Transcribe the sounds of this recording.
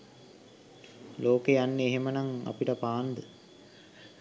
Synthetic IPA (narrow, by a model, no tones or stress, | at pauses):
loːkeanːeːɦemənaŋa̰piʈəpaːnd̪ə